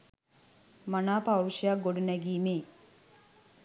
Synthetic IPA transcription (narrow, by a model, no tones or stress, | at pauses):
manaːpawɾuʃijak̚ɡoɖunæɡiːmeː